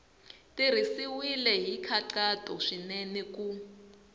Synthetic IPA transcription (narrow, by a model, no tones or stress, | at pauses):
tir̤isiwilɛɦikʰaǃatʼɔ̰ʂinɛnɛkʼu